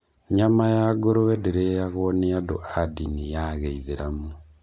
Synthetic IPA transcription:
ɲamajaɡoɾowɛdeɾejaɣoneadoʔadinijaɣeiðeɾamo

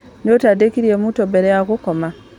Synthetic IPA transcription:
notadekiɾiemutobeɾejakukoma

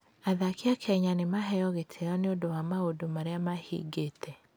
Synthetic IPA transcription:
aðakeakʰɛɲanemaɦɛjɔɣetʰejɔneodowamaodomaɾeamahḭɡetʰɛ

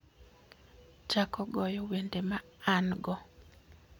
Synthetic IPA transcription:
t͡ʃakɔɡɔjɔwendemaːnɡɔ

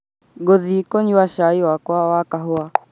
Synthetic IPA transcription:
ɡoðikɔɲuwaʃaiwakwawakaɦʊa

